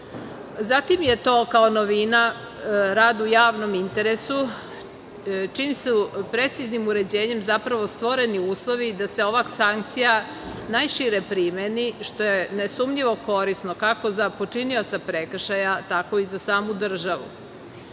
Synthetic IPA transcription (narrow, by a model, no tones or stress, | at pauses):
zat̪imjet̪o̞ːkaonoʋina | ɾaːd̪ujaːʋno̞mint̪eɾesu | t͡ʃiːmsupɾe̞t̪siznimuɾe̞d͡ʑeːɲe̞mzapɾaʋo̞st̪ʋoɾeniuːslˠoʋid̪ase̞o̞ʋaksaŋk̚t̪sija | najʃiɾepɾimeniʃt̪ojenesumʎiʋo̞ko̞ɾisnokako̞zapot͡ʂinio̞t̪sapɾekr̩ʃajat̪ako̞izasaːmud̪r̩ʒaʋṵ